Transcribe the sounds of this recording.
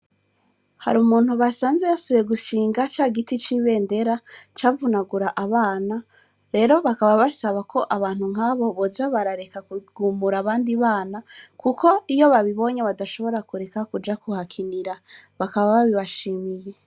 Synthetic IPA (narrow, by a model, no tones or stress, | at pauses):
ha̰ɾumuːn̥huβasaːnze̞jasoβjeɡuʃiːŋɡat͡ʃaːɡitit͡ʃiːβe̞ːnde̞ɾat͡ʃaːvunaɡuɾaʔaβaːna | ɾe̞ːɾo̞βakaβaβasaβakʰo̞ʔaβaːnhuŋ̥aβo̞βo̞zaβaɾaɾe̞kakuɡ̥umuɾaβaːndiβaːnakuko̞ijo̞βaβiβo̞ɲaβadaʃo̞βo̞ɾakuɾe̞kakud͡ʒakuhakʰiniɾaβakaβaβaβiβaʃiːmije̞